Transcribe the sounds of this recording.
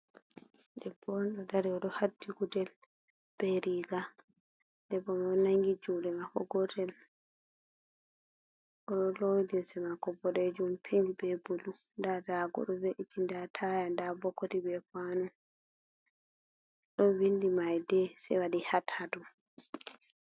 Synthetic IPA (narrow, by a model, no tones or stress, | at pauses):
dɛbɔnɗɔdaɾiɔɗɔhadːiɡudɛl | b̥ɛɾiɡa | dɛbɔmanaŋɡid͡ʒumɗɛmakɔɡɔtɛl | ʔɔɗɔlowdinsɛmakɔbɔɾed͡ʒumpʰiŋɡibɛbulu | ndadaɡɔ̰ɗɔbɛʔitːindatʰajandabɔkːotibɛfanu | ɗɔwindimajdɛsɛ̰waɗihatʰadɔ